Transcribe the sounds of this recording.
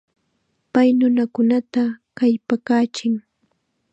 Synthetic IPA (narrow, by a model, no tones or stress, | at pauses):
pajnʊnakʊnat̪akajpakaːt͡ʃɪŋ